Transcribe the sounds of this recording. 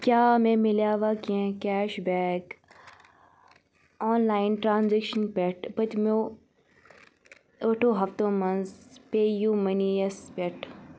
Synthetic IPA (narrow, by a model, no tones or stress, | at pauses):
kjaːmẽːmɪljaːʋaːkiẽːkɛːʃbɛːk | ɔːnlaːɪnʈɾãːnzekʃənpɛʈʰpɐt̪mo | oːʈʰõːɦɐft̪õːmɐnzpeːjuːmɐniɐspeʈʰ